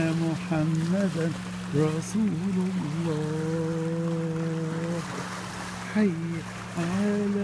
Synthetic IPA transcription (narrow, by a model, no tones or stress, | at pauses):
mʊħamːad̪ | ɾˤɑsuːlʊlːɑː | h | ħajː | ʕala